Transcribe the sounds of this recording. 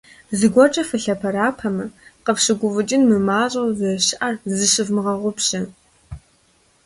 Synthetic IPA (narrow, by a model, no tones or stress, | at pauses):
zɨɡʷɔt͡ʃʼɐfɨɬɐpʰɐɾaːpʰɐmɐqəpɕɨɡʷʊvɨt͡ʃʼɪnmɨmaːɕʼɐwzɐɕʔarzɨɕɨvmɨʁɐʁʷʊpɕɐ